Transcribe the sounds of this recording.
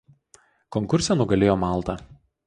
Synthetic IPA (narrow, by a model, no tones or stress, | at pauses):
kɔŋkʊɾʲsʲɛnʊɡɐlʲeːjoːmɑˑlˠt̪ɐ